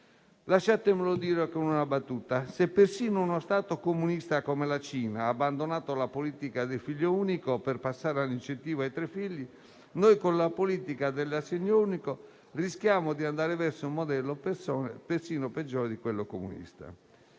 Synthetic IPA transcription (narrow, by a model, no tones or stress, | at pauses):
laʃːat̪emelod̪iːɾekoununabat̪ːuːt̪asepːersiːnounost̪aːt̪okomunist̪akomelat͡ʃiːnaːbːand̪onaːt̪olapoliːt̪ikad̪elfiʎːouːnikoperpasːaːɾalint͡ʃːent̪iːvoajt̪ɾefːiʎːi | nojkonlapoliːt̪ikad̪elːasːeɲːouːniko | riskjaːmod̪iand̪aːɾevɛrsoumːod̪ɛlːopesɔnpersiːnoped͡ʒːɔːɾed̪ikwelːokomṵnḭst̪a̰